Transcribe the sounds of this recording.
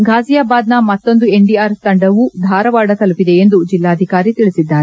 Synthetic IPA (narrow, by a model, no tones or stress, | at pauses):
ɡʱaːzijaːbaːd̪nɐmɐt̪ːo̞nd̪ue̞ɖiaːɾst̪ɐɳɖɐʋud̪ʱaːɾɐʋaːɽɐt̪ɐlupid̪e̞end̪ud͡ʒilːaːɐd̪ʱikaːɾit̪iɭisid̪ːaːɾe